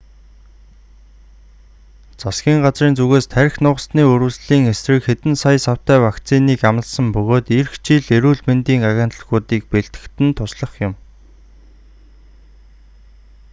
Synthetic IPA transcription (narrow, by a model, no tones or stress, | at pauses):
t͡sasɡʲiːŋɢat͡sriːnt͡suɣeːst̪ʰæɾ̆ʲxnʊːʁə̆sniːɵɾɵ̆sɮiːŋesrɘ̆kxet̪ɘ̆nsajsaw̥t̪æːwakt͡sʰiniːkamə̆ɮsə̆mpɵɣoːt̪irxt͡ɕiɮeɾuːɮment̪iːŋaɣʲaːn̥t̪ə̆ɮɣuːt̪iːk̚peɮt̪ɡɘ̥̆kt̪ɘ̆nt̪ʰʊsɮə̆χjʊm